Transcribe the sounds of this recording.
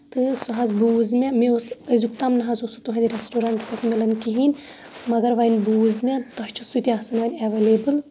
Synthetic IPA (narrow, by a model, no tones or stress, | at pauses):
t̪ɨsuɦazbuːzmʲemeosɐzuk̚t̪amnɐɦɐzosut̪uɦɐ̃nd̪iɾesʈoːɾaɳʈkokmelɐnkiɦin | mɐɡɐɾʋɐjnbuːzmʲet̪ɐʃt͡ʃʰisut̪iasɐnʋɐnʲɐʋelebɨl